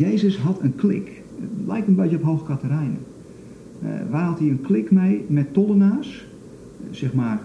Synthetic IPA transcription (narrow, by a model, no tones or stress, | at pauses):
jeːzəsɦɑtʰənklɪ̰k | əlɛjk̚tənbejkəɔpɦowxəkatərɛjnə̰ | ʋaːɦɑthiənklɪkmejmɛtːɔlˠənaːs | sɛxmaːr